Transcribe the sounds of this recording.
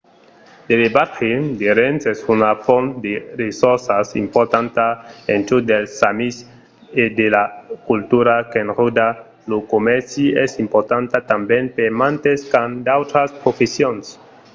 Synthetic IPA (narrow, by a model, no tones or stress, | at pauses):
d̪̥eðebaɾxed̪eɾensesunafond̪eresoɾsasḭmpoɾt̪ant̪aent̪ud̪elsamis | ed̪elakult̪uɾakenrud̪a | lokomeɾsiesimpoɾt̪ant̪at̪ambjenpemãnt̪eskand̪awt̪ɾaspɾofesjons